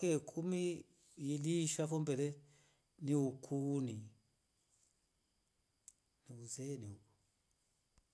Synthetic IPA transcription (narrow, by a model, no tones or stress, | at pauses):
kekʰumi | jiliʃafɔmbʱɛlɛ | niukʰuni | niuzeniu